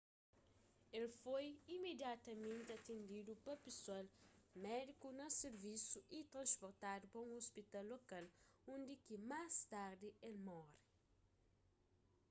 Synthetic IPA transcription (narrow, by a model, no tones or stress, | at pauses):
elfojimed̪jat̪ɐmẽnt̪ɪɐt̪ẽnd̪id̪upɐpesualmɛd̪ikunɐseɾvisuʔit̪ɾɐ̃nspoɾt̪ad̪upɐũospit̪alːokalõnd̪ikimast̪aɾd̪ɪelmɔɾi